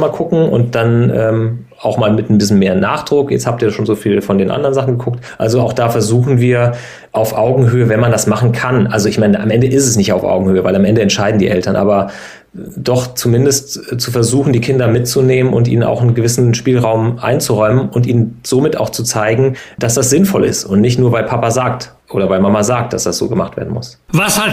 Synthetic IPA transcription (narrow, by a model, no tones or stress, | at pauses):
maːlkʰʊkŋ̩ʔʊ̰nt̚d̥anʔɛːm | ʔaʊxmaːlmɪtn̩bɪsçn̩meːɐna̰ːχd̥ʁʊkjɛ̰t͡sthaːp̚tiːɐʃoːnzoːfiːlfɔndeːnʔa̰ndəʁɐənzaχn̩ɡəkʰʊk̚tʔa̰lzoaʊxd̥aːfɛɐzuːxn̩viːɐ | ʔaʊfʔaʊɡŋ̩ɦøːəvɛnmandasmaχn̩kʰanʔalzoɪçmaɪnəʔa̰mʔɛndəʔɪstɛsnɪçtaʊfʔa̰ʊɡŋ̩høːəvaɪlamʔɛndəɛntʃaɪdn̩dḭːʔɛltɐnʔa̰ːbɐ | dɔχt͡sumɪndəstt͡sufɛɐzuːxn̩diːkʰɪndɐmɪtt͡suneːmənʊ̰ntḭːnəna̰ʊxɪnɡəvɪsn̩ʃpiːlʁaʊmʔa̰ɪnt͡suʁɔʏmənʊntḭːnənz̥omɪta̰ʊxt͡sut͡saɪɡŋ̩d̥asd̥asz̥ɪnfɔlɪ̰stʊntnɪçtnuːɐvaɪpʰapazaːk̚t | ʔoːɾɐvaɪmamazaːk̚t̚d̥a̰sd̥asz̥o̰ːɡəmaχtv̥ḛɐdn̩mʊsvasha